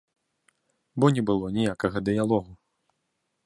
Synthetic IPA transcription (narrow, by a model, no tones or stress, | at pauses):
bɔnʲɛbɨlˠɔnʲijakɐɣɐd̪ɨjalˠɔɣu